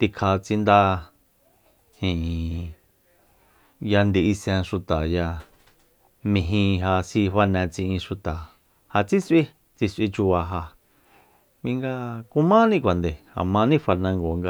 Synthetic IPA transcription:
t̪i˧kʰa˧t͡si˧nd̪a˧ | hĩ˨ | ja˧nd̪i˨i˧sɛ̃˧ʂu˧t̪a˨ja˧ | mĩ˧ɦĩ˧ɦa˧si˧ɸa˧nɛ̃˧t͡sĩ˧ʔĩ˧ʃu˧t̪a˨ | ha˧t͡si˦sʔi˦ | t͡si˧sʔi˧t͡ʃu˧βa˧ɦa˧ | βĩ˧ŋɡa˧ku˧mã˦nĩ˦kʷa˨nd̪e˨ha̰˨mã˧nĩ˦fa˧ɾnã˧ŋɡo˨ŋɡa˧

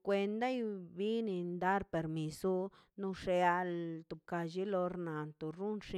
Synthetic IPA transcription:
kʷe˧nd̪a˦jbi˦ni˧nd̪a˦ɾpe˨ɾmi˨su˦ | nu˧ʂe˧a˧lt̪u˨b̚ka˧ʃi˦lo˧ɾna˨nt̪u˨ɾu˦nʂi˧

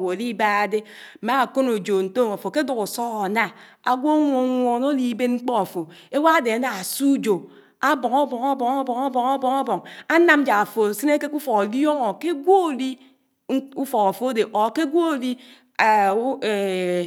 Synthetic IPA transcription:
wo˨li˦ba˦a˨de˦˨ | ma˦a˨ko˦no˨d͡ʒo˨n̩˨to˦˨a˨fo˨ke˦du˨ku˨sɔ˦ɣɔ˨na˦ | a˨ɡʷo˦ŋʷo˨˦ŋʷɔ˨no˦li˦be˦tŋ͡m̩˦k͡pɔ˦a˨fo˨ | e˦wa˦a˦de˨a˨na˨a˨su˦d͡ʒo˨ | a˦bɔ˨ŋɔ˦bɔ˨ŋa˦bɔ˨ŋa˦bɔ˨ŋa˦bɔ˨ŋa˦bɔ˨ŋɔ˦bɔ˨ŋa˦na˦m̩˦d͡ʒa˨a˨fo˨si˦n˦e˦ke˦ku˦fɔ˨ko˨li˦o˦ŋɔ˨ke˦ɡʷo˦o˨li˦ | u˦fɔ˨ka˨fo˨˦o˦de˨ʔɔ˨ke˦ɡʷo˦o˨li˦˨˦ | e˨

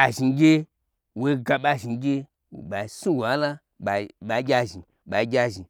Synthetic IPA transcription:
a˨ʒi˨˦ɡʲe˦ | wo˦i˦ɡa˧ɓa˧ʒi˨˦ɡʲe˦˨ | ɓa˨i˨su˦wo˨a˦la˦ | ɓa˨ɓa˨˦ɡʲa˧ʒi˨ɓa˨i˦ɡʲa˧ʒi˨

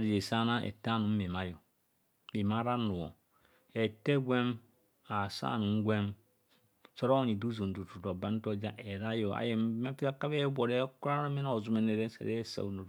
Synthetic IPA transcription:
a˨ɾi˨je˨sa˦na˦ʔḛ˨ta˦nu˨˦m̩˦me˨ma˦jo˨ | i˨ma˦ɾa˦nu˨wo̰˨ | e˨te˦ɡʷe˦m | a˨sa̰ː˦˨nu˨ŋ̩˦ɡʷe˦m | so˦ɾo˦ni˨du˦zo˨n˨du˨tu˨to˨ba˦n˦to˦d͡ʒa˦ʔe˨ɾa˦jo˨a̰˨je˨˦me˦ti˦a˦ka˦e˦bʷo˨ɾe˦ku˦ɾa˦na˦mi˦n˦o˨zu˦me˨ne˨ɾe˦sa̰˨ɾe˦sa̰˨u˨no˨

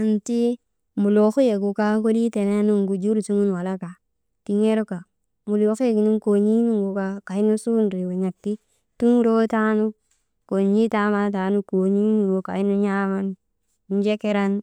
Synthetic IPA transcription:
a˨nti˦ | mu˨lo˨xu˦je˨ku˨ka˦ko˦di˦te˨ne˦nu˦ŋɡu˨d͡ʒu˦ɾsu˦ŋu˦n˨wa˨la˦ka˨ | ti˨ɲe˦ɾo˦ka˨ | mu˨lo˨ke˦˨ki˨ni˦ŋko˨ɲi˦nu˦ŋɡu˨ka˨ka˨i˦nu˦su˦nɾi˨we˨ɲa˨k̚ti˦ | tu˦n˦ɾo˦ta˦nu˦ | ko˨ɲi˦ta˦ma˦t̬a˨nu˦ko˨ɲi˦nu˨o˨ka˨i˦nu˦ɲa˦ma˦n˨˦ | n˦d͡ʒe˦ke˦ɾa˦n

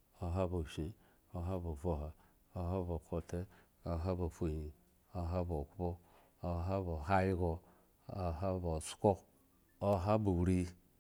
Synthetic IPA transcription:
o˨ɦa˦bo˨ʃe˨ | o˦ɦa˦bo˨vo˨ɦa˨ | o˦ɦa˦bo˨kʰo˨te˦ | o˨ɦa˦bo˨fo˦˨i˨ | o˦ɦa˦bo˨kʷu˦bo˦ | o˦ɦa˦bo˨ɦa˦ji˦ɡo˨ | o˨ɦa˦bo˨sko˦ | o˦ɦa˦bo˨wɾi˦

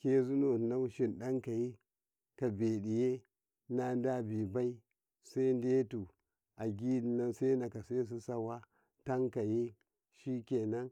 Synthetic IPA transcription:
ke˦zu˦no˨na˦ʃi˨nɗa˦ŋka˨ji˦ | ka˨be˨di˨je˦ | na˦n˦da˦bi˨ba˦i˦ | sa˦i˦n˦de˦tu˨ | a˨ɡʲi˦di˨na˦nsa˦na˨ka˨se˦s̬i˦sa˦wa˦ | ta˦ŋka˨ji˦ | ʃi˦kʲe˨na˦n

